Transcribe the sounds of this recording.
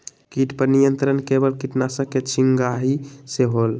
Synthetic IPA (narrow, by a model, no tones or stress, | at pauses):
kiʈpəɾnijənt̪ɾənkebəlkiʈnasəket͡ʃʰiŋɡaɦiseɦol